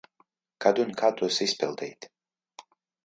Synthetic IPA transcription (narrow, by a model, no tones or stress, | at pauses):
kad̪unkʰat̪ʼusispʰɛlˠd̪ɛjt̪